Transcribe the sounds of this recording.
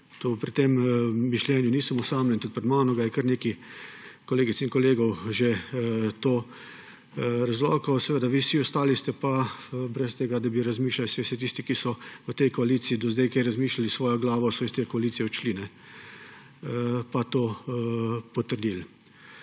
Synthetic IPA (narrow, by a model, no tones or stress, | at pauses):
t̪opɾit̪emːiʃljɛːnjʊniːsəmɔsaːmnɛnt̪ut̪̚pɾɛd̪maːnɔɡajɛkəɾneːki | kɔleːɡit̪sinkɔleːɡɔwʒet̪oː | ɾazlɔ̰ːkɔwsɛʋeːd̪aʋiːsiɔst̪aːlist̪ɛpabɾɛst̪eːɡad̪abiɾazmiːʃlalsɛsɛt̪iːst̪ikisɔʋət̪ɛjkɔaliːt̪siːd̪ɔzd̪ɛjkɛjɾazmiːʃlalisʋɔːjɔɡlaːʋɔsɔist̪ekɔaliːtsijɛɔt͡ʃlinɛ | pat̪oː | pɔt̪əɾd̪il